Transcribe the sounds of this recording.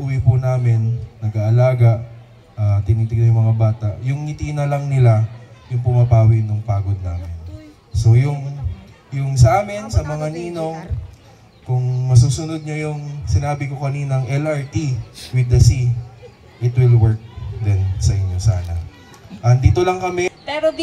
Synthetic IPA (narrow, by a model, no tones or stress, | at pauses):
ʔʊwipʊnaːmɪnːɐɡaːʔɐlaːɡɐʔ | ʔat̪ɪnit̪ɪɡ̚ɲɐjʊŋmɐŋabaːt̪aʔjʊŋhɪt̪iːnɐlɐŋnɪlajʊŋpʊmɐpaːwɪɡnʊŋpaːɡo̞d̪̚naːmɪn | so̞jʊŋ | jʊŋsɐʔaːmɪnsɐmɐŋaniːno̞ŋ | kʊŋmɐsuːsʊnod̪̚ɲojʊŋsɪnaːbɪko̞kɐniːnɐŋʔɛlʔɐɹt̪iwɪd̪ɐsi | ʔɪt̪wɪlwɛɹk̚d̪ɛnsɐʔɪɲːo̞saːnɐ | ʔɐnd̪iːt̪olɐŋkɐmɛpɛɾo